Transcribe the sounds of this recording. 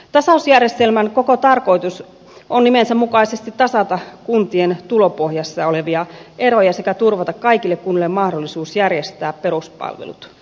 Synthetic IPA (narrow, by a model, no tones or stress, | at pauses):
t̪ɑsɑusjærje̞st̪e̞lmæŋko̞ko̞t̪ɑrko̞it̪us | ʔonnimensæmukɑise̞st̪it̪ːɑsɑt̪ɑkunt̪ie̞nt̪ulo̞po̞hjɑsːɑo̞le̞ʋiɑʔe̞ɾo̞jɑse̞kæt̪urʋɑt̪ɑkkɑik̟ilːe̞kkunːilːemmɑhdolːisuːsjærjest̪æːppe̞ɾuspɑ̰lʋḛlṵt̪